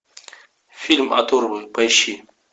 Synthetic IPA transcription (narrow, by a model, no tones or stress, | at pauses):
filʲma̰t̪ʰoɾbɨpɐjʃi